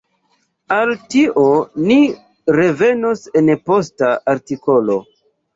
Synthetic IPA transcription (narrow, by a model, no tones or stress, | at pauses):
altiʔoni | ɾe̞ve̞nose̞npo̞staʔaɾtikolo̞̰